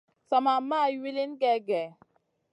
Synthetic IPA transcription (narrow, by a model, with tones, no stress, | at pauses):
sa˨ma˨ma˦˨˦wi˦li˦n˦ɡɛ˨ɡɛ˨